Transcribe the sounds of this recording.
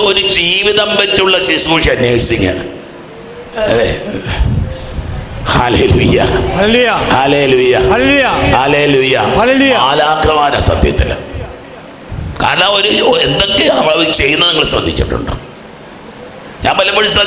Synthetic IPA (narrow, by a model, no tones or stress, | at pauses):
oɾud͡ʑiːʋiðɐmpɐtːuɭːɐɕisukuːʂiɐnːjeːɻsiŋːɐ̰ | e | hɐleːluːjɐ̰hɐlelujɐhɐleːluːjɐhɐlelujɐhɐleːluːjɐɐleːluːjɐaːlaːkɾɐmaːnɐ̰sɐ̰d̪ʱjɐ̰t̪ːil̰ | ka̰ːɾɐɳɐmo̞ɾuend̪o̞kːenɐmːɐɭʋit͡ɕe̞junːɐniŋːɐɭsrɐd̪ʱːit͡ɕːuʈːṵɳɖɨ̰ | ɲaːmpɐlːɐmɐɻisɾɐ